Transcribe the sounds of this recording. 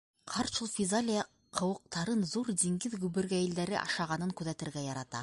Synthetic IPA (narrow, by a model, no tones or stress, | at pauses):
qʰɑɾʃulˠfʲizalʲij | qʰɤ̆wɤ̆q̚t̪ɑɾɤnðuɾd̪iŋɡɘðɡʉβɘ̆ɾɡæjɘ̆ld̪æɾɘ̰ʔɑ̰ʃɑʁɑnɤŋkʉðæt̪ɘ̆ɾɡæjɑɾɑt̪ɑ̰